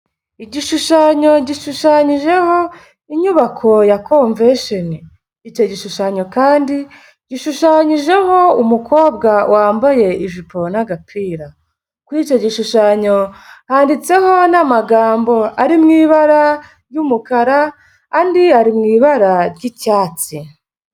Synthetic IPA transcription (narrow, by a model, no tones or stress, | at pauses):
iɟiʃuʃaɲo̞ɟiʃuʃaɲiʒe̞ho̞ | iɲuβakʰo̞jakoɱveʃoniː | t͡ʃo̞ɟiʃuʃaɲo̞kaːndi | ɟ̥iʃuʃaɲiʒe̞ho̞umuko̞ːbɡawʔaːmbaje̞iʒipo̞naɡapiːɾa | kwuit͡ʃo̞ɟiʃuʃaɲo̞haːndit͡se̞ho̞namaɡaːmbo̞aɾimŋiːβaɾa | ɾjumukaɾa | kandiaɾimŋiːβaɾaɾɟicaːt͡si